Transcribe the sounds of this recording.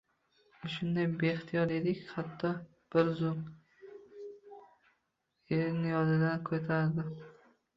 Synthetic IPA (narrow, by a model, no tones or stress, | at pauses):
ʊʃʊnd̪ajbeχt̪ʰijɒɾed̪ɪkʲhat̪ʰːɒ | b̥ɪɾzʊm | eɾnɪjɒd̪ɪd̪ankʰɵt̪ʰaɾd̪ɪ